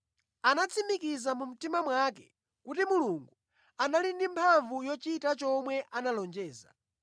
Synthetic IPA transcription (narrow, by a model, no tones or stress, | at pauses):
anat͡sʰimikizamum̩timamwakɛ̰ | kut̬imuluŋɡu | analindimpʰaɱvujɔt͡ʃitat͡ʃɔmwɛʔanalɔnd͡ʒɛːza̰